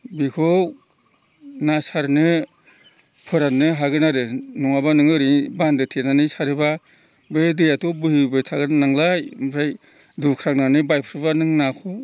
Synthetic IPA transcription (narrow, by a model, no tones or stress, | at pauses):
bikʰɔw | nasaɾnɯ | pʰɯɾanɯɦaɡɯnaɾɯnɔŋabanɯŋɯɾibandɯtʰenanɯsaɾɯba | bedejatʰɔbɯhibɯjtʰaɡɯnnaŋlajmɯɾaj | dukʰɾaŋnanɯbajpʰɯɾɯbanɯŋnakʰu